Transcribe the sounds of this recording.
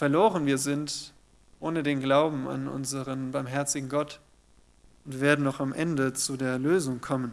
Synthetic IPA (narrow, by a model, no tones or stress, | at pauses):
fɛɐloːʁənviːɐzɪnt | ʔoːnədeːnɡlaʊbm̩a̰nʔʊ̰nzəʁənbaɐmɦɛɐt͡sɪɡŋ̩ɡɔt | ʊntv̥eːɐdn̩nɔχamʔɛndət͡sudeːɐɛløːzʊŋkʰɔmən